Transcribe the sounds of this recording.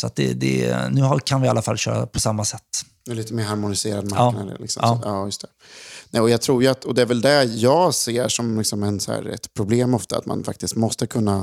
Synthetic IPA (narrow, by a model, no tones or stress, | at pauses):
sɔat̪̚d̪ɛ̰d̪ɛ̰nʉ̟ːhakʰanvɪalːafalːɕœ̰ːɾa̰pʰɔsamːasɛt̪ː | ɛliːt̪əmeːɾɦaɾmʊnɪseːɾad̪maɾːna̰d̪ə̰lɪksɔ̰mːɑːjɵst̪ʰə̥ | nɛɪɔjɑɡt̪ʰɾuːɾjɵat̪ːɔd̪ɛæɾvɛld̪æjɑːɡseːʂɔmlɪksɔmɛnsɔæ̰ːɾɛ̰t̪pʰɾʊbleːmɔft̪aa̰t̪ma̰nfa̰k̚t̪ɪst̪mɔst̪əkʰɵnːa